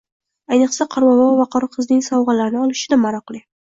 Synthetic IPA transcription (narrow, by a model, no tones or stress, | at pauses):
ajnɨqsaqʰɑɾmɑmɑwvɑqʰɑɾɨqʰɨznɪŋsɒwʁɑlaɾɪnɪɒlˠɪʃɪd̪amaɾɑqlˠi